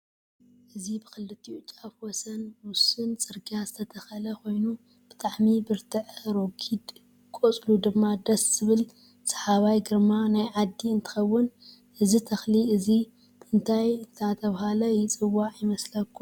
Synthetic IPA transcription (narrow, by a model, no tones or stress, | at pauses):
ʔɨzibɨxɨlːɨt̪ʰiut͡ʃʼafwɔsɐnwʊsɨnt͡sʼɨɾɡazɨt̪ʰɐt̪ʰɐxɐlɐkʰo̞jnu | b̥ɨt̪ʼaʕmibɨɾt̪ʰɨʕɾokʰid̪ | kʼot͡sʼlud̪ɨmːad̪ɐsz̥ɨβɨl | sɐ̥ħaβajɡɨɾmanajʕad̪ːiɨnt̪ʰɨ̥xɐwːʊn | ʔɨzit̪ʰɐxliɨzi | b̥ɨɨnt̪ʰajnt̪ʰat̪ʰɐβhalɐjɪt͡sʼɨwːaʕjɪmɐslɐkʰːu